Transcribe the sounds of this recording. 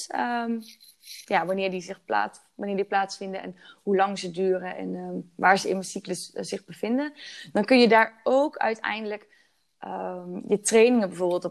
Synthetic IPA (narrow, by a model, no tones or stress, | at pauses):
ə | jaːʋɑnɪːɹdizɪχpla̰ː | ʋanɪːɹdiplaːtsfɪndəɛ̰nɦulɑŋzədyːrəʔɛ̰nʋaːɹzəɪnməsikləsz̥ɪχbəv̥ɪndəndɑnkɵnjədaːɹowkœ̰ɥtɛ̰jndələk | əjətrejnɪŋənbɛjvoːɹbɪːlˠtɔ